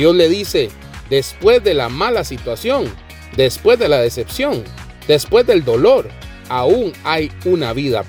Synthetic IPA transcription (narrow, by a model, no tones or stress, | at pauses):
o̞zle̞ðise̞ | d̪e̞spwe̞zðe̞lamalasit̪wasjo̞ŋ | d̪e̞spwe̞zðe̞laðe̞se̞psjo̞ŋ | d̪̥e̞spwe̞zd̪e̞ld̪o̞lo̞ɾ | auŋajunaβiða̰